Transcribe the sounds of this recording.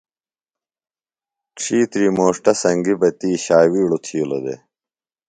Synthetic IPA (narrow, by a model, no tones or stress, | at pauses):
ʈʈ͡ʂʰiːt̪ɾiːmoːʂʈɐsɐŋɡibɐt̪iːɕaːwiːɽut̪ʰiːlo̰d̪ḛ